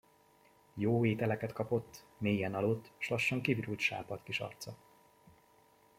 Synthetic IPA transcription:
joːeːt̪ɛlɛkɛt̪kɒpo̞t̪ːmeːjɛnɒlot̪ːʃlɒʃːɒŋkiviɾult̪ʃa̰ːpɒt̪kiʃɒ̰rt̪sɒ

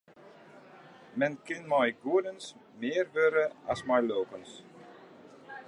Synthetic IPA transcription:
mɛnkɪnmɔjɡuədənsmɪːərʋøɾəa̰smaɹloːpəns

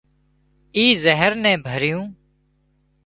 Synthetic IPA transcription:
iːzəɦəɾnɛ̃ːbʱəɾɪjũː

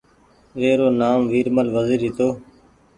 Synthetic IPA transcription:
ʋeːɾoːnaːmʋiːɾməlʋəziːɾɦɪt̪oː

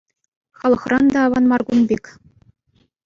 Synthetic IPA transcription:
χɑlˠɤ̆χrɑnd̪ɑːʋɑnmɑrɡunbʲekʲ

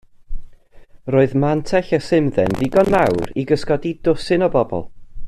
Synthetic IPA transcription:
roːɨðmantʰɛɬəsɪmðɛ̰nðɪɡɔnmawɾiɡəskɔdidʊsɪnɔbɔbɔ̰lˠ

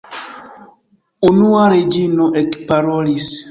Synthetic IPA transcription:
unuwaɾed͡ʒinoʔɛkpaɾolis

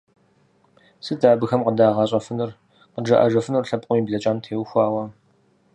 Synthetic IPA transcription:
sɨdaːbɨxɐmqədaːʁɐɕʼɐfɨnɨr | qəɖ͡ʐɐ̰ʔɐ̰ʐɐfɨnɨrɬɐpʼqʷʼʊmiːbɮɐt͡ʃʼaːntʰeːwxʷɑːwɐ

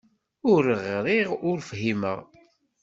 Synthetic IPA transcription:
ʊɾəʁɾiʁʊɾfɦimə̰ʁ

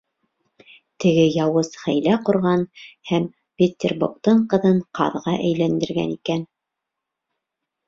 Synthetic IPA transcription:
t̪ɘ̆ɡɘjɑwɤzχæjlæqŏɾʁɑnhæm | pʲet̪ʲːerbukt̪ɤɴqɤ̆ðɤɴqɑ̰ðʁɑʔæjlænd̪ɘ̆ɾɡæ̰nikæn

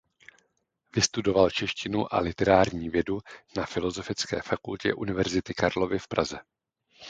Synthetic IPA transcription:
vɪst̪udo̞valt͡ʃɛʃcɪnuʔa̰lɪt̪ɛɾaːɾɲiːvjɛdunafɪlo̞zo̞fɪt͡skɛ̰ːfakulcɛ̰ʔunɪvɛɾzɪt̪ɪkaɾlo̞vɪfpɾʔa̰zɛ

